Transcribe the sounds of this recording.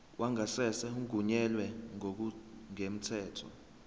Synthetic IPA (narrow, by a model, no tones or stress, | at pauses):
wʔaŋasɛsɛuŋɡʱuɲɛlwɛŋok̬ŋem̩tʰɛːtʰɔ̰